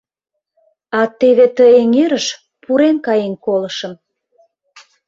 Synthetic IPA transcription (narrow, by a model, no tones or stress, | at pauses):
ɑt̪eβet̪əeŋeɾəʃ | puɾenkɑjenkoləʃə̆m